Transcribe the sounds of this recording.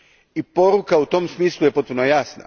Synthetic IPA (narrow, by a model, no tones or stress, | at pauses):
ipo̞ɾukaut̪o̞msmiːslˠuje̞po̞t̪̚punojaːsna̰